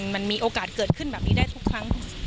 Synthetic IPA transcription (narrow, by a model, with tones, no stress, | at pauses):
nma˧nmiː˧ʔoː˧kaː˨˩t̪̚kɤː˨˩t̪̚kʰɯ˥˩nbɛː˨˩p̚niː˦˥daː˥˩jt̪ʰu˦˥kʰɾa˦˥ŋ